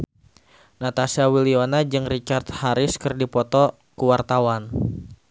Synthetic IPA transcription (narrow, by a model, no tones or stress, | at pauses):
nat̪asiawilionad͡ʒɨŋrit͡ʃart̪haɾɪskɨrdipɔt̪ɔ | kuwart̪awan